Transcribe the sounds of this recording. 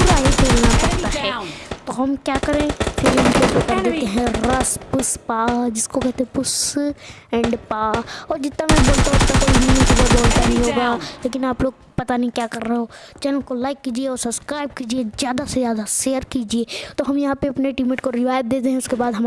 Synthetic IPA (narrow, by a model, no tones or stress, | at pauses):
aɦipeːlnapɐɽt̪aɦɛːt̪oɦɐmkjaːkɐɾẽt̪ʰelɪnkobot̪ad̪ek̪ẽɦɛ̃ɾɐspʊspaːd͡ʒɪskokɛɦt̪eẽpʊs | ɛ̃ːɳɖpaːɔːɾd͡ʒɪt̪ːamɛ̃boːlt̪aʊst̪akoːibiĩk̪b̪əboːlt̪anɦĩɦoːɡaleːkɪnaːploːɡ̚ | pɐt̪aniĩkjaːkɐɾːəɦeɦoːt͡ʃɛlkolaːɪkːiːd͡ʒieɔːɾsɐbskɾaːɪb̚kiːd͡ʒiezjaːd̪asezjaːd̪aʃeːəɾkiːd͡ʒiet̪oɦɐmjɐɦãpeɐpneʈimẽʈkoɾɪʋaːjət̪̚d̪eːd̪eɦɛ̃ʊskebaːd̪ɦɐm